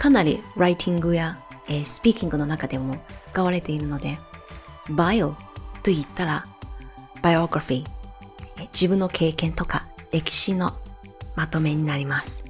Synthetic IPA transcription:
kanaɾʲḭɾait̪ʰʲĩŋɡɯ̟jaesɨ̥pʲiːkʲĩŋɡɯ̟no̞nakad̪e̞mo̞t͡sɨ̥kaβaɾe̞t̪e̞iɾɯ̟no̞d̪e̞ | baiot̪o̞it̪ːaɾa | b̥ajoɡɯɾaɸi | d͡ʑibɯ̟̃nːo̞kʰe̞ːkẽ̞nt̪o̞kaɾe̞kʲi̥ɕino̞ | mat̪o̞me̞ɲ̟inaɾʲimasɨ̥

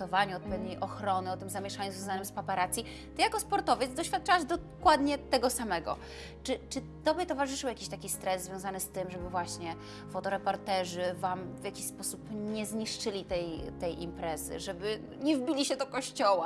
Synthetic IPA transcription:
ɔvaɲuɔt̪pɛvɲejʔɔxɾɔnɘɔt̪ɘmzamʲjɛʂaɲuzvjɔ̃zanɘmspapaɾat̪sʲji | t̪ɨjakɔspɔɾt̪ɔvʲjɛd̪zd̪ɔɕfʲjat̪̚t͡ʂawaʐd̪ɔkwad̪ɲɛt̪ɛɡɔsamɛɡɔ̰ | t͡ʂɘt͡ʂɘ | t̪ɔbʲjɛt̪ɔvaʐɘʂɨwjakʲiɕt̪akʲist̪ɾɛzzvʲjɔw̃zanɘst̪ɘmʐɛbɘvwaɕɲɛ | fɔt̪ɔɾɛpɔɾt̪ɛʐɘvamvʲjakʲiɕspɔsupɲɛzɲiʂt͡ʂɘlʲit̪ɛjt̪ɛjʔḭmpɾɛzɘ̰ʐɛbɘ | ɲɛvbʲilʲiɕɛd̪ɔkɔɕt͡ɕɔwa

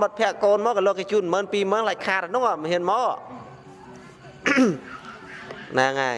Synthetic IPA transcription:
ɓət̪̚pʰɛ̆əʔkoːnmɔːkalɔːkːet͡ɕuːnməːnpiːməːnlac̚kʰaːɾanʊŋamhiənmɔː | naːŋaːj

